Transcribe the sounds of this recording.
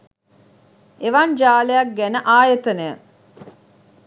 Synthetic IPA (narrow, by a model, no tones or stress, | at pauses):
eʋɐnd͡ʒaːlejɐk̚ɡænəʔaːjət̪ənejə